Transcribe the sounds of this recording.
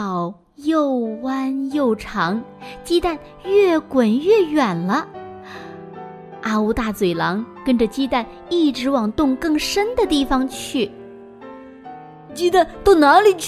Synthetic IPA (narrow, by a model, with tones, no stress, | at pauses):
ɑ˨˩ʊ | jo˥˧ʊwa˥njo˥˩ʊʈ͡ʂʰɑ˧˥ŋt͡ɕi˥t̪a˥˧n | ɥɛ˥˩kwə˨˩nɥɛ˥˩ɥɛ˨˩nlə˦ | a˥u˧˥t̪a˥˩t͡swe˨˩ɪlɑ˧˥ŋkə˥nʈ͡ʂə˨t͡ɕi˥t̪a˥˧n | i˥˩ʈ͡ʂɻ̩˧˥wɑ˨˩ŋt̪ʊ˥˧ŋkɤ˥˩ŋʂə˥nd̪ə˨t̪i˥˩fɑ˧ŋt͡ɕʰy˥˩ | t͡ɕi˥t̪a˥˧nt̪ʊ˥˩na˧˥li˨˩